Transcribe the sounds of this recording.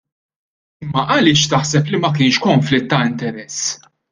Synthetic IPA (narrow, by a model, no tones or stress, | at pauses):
ɪmːɐʔɐlɪːʃt̪ɐħsɛplimɐk̬ɪːnʃkɔɱflɪt̪ːɐɪnt̪ɛɾɛsː